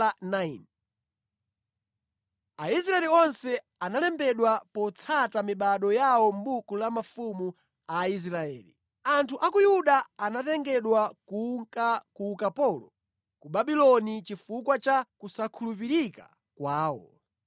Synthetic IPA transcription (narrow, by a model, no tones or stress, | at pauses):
nain | ais̬ɾaɛliɔnsɛ | analɛmbɛɗwapɔt͡sʰatamiɓaɗɔjawɔmbukulamafumu | ais̬ɾaɛ̰ːlḭ | antʰuʔakujuɗaːnatɛŋɡɛɗwakuŋkakukapɔlɔ | kuɓaɓilɔnit͡ʃifukwat͡ʃakusakʰulup̬iɾika̰ | kwaːwɔ̰